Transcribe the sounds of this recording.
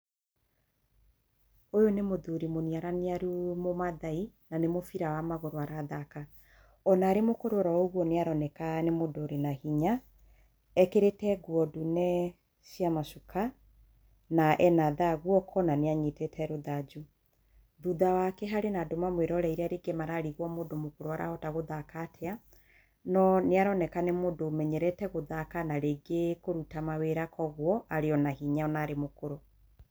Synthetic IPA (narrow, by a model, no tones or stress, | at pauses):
ojonemoðuɾimoniaɾaneaɾumomaðainanemofiɾawamaɣoɾoaɾaðaka | ɔnaːɾemokoɾoɾaoɣwɔneaɾɔnɛkanemodoɾenahiɲa | ɛkeɾetɛɡwɔdunɛ | siamaʃukʰa | naʔɛnaðaɣwɔkʰɔnaneaɲetetʰɛɾoðad͡ʒu | ðuðawakɛɦaɾenadomamweɾɔɾɛiɾeaɾeɡemaɾaːɾiɣwɔmodomokoɾoaɾʔa̰hɔtaɣoðakatʰɛa | nɔneaɾɔnɛkanemodomɛɲɛɾɛtɛɣoðakanaɾeɡekoɾutamaweɾakɔɣwɔʔaɾeɔnahiɲaɔnaːɾemokoɾo